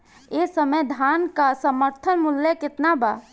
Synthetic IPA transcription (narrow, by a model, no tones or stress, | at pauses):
esəmed̪ʱankasəməɾt̪ʰənmʊljəkɪt̪naba